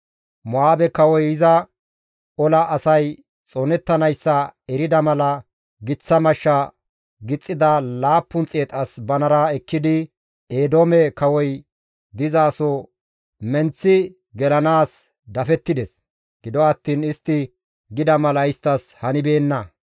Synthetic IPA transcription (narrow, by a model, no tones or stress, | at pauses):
mɔaːbɛkɐwɔjɪzɐ | ɔlɐʔːsɐj | t͡sʼɔnɛt̪ːɐnɐjsːɐɛɾɪd̪ɐmɐlɐ | ɡɪt͡sːɐmɐʃːɐ | ɡɪt͡sʼːɪd̪ɐlaːpːʊnt͡sʼːeːt̪ʼɐsbɐnɐɾaɛkːɪd̪ɪ | eːd̪oːmɛkɐwɔj | d̪ɪzaːsɔ | mɛnt͡sːɪ | ɡɛlɐnaːs | d̪ɐfɛt̪ːɪd̪ɛs | ɡ̥ɪd̪ɔɐt̪ːiːnɪst̪ːɪ | ɡɪd̪ɐmɐlɐɪst̪ːɐshɐnɪbe̞ːnːɐ